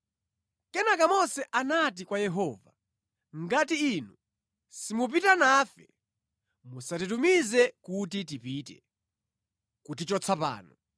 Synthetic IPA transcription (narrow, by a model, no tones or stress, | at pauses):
kɛnakamɔsɛʔanat̬ikwajɛɦɔːva | ŋɡatiːnu | simup̬itanaːfɛ | musatitumizɛkut̬it̬ipitɛ | kut̬it͡ʃɔt͡sʰapa̰ːnɔ